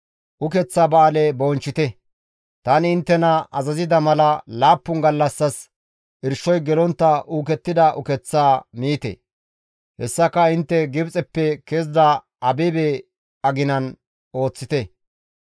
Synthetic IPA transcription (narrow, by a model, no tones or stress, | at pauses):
ʔʊkɛt͡sːaːbaːlɛboːnt͡ʃːɪt̪ɛ | t̪ɐnɪɪnt̪ːɛnɐʔɐzɐzɪd̪ɐmɐlɐlaːpːʊŋɡɐlːɐsːɐs | ɪɾʃːɔjɡɛlɔnt̪ːɐʔuːk̬ɛt̪ːɪd̪ɐʔʊ̰kɛt͡sːaːmiːt̪ɛ̰ | hɛsːɐkːɐɪnt̪ːɛɡɪbt͡sʼɛpːɛkeːzd̪ɐ | ʔɐbɛbe | ɐɡɪnɐn | o̞ːt͡sːɪt̪ɛ